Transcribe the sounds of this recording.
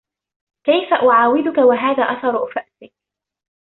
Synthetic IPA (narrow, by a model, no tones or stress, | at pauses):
kajfaʔʊʕaːwɪd̪ʊkawaɦaːðaːʔaθɑɾˤʔʊfaʔsɪk̚